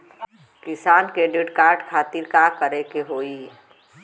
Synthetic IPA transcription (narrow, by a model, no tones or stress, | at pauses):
kɪsaːnkɾeːɖɪʈkaːɾʈkʰaːt̪ɪɾkakəɾekeɦoːi